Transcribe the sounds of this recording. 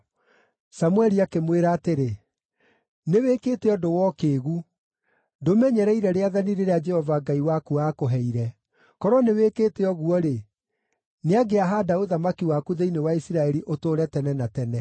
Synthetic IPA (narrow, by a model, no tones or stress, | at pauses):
samwɛɾiakemweɾaːteɾe | neweːketeɔdowɔkeːɣu | domɛɲɛɾɛiɾɛɾeaðaniɾeɾead͡ʒɛhɔvaɡaiwakuakoɦɛiɾɛ | kɔɾɔnewekeːteɔɣuɔɾe | neaɡeaɦaːdaoðamakiwakuðeinewaisiɾaɛɾiʔotoːɾɛtɛnɛnatɛnɛ